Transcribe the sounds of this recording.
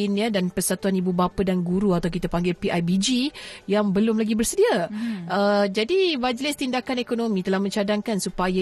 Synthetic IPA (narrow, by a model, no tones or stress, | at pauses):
inə̃danpərsat̪uanibubapədanɡuɾuat̪awk̬it̪apaŋɡɪlpiʔajbid͡ʒijaŋbəlʊmlaɡibərsədiaəd͡ʒadimad͡ʒəlɛst̪indakanekonõmĩt̪əlahmə̃ɲt͡ʃadaŋkansupaja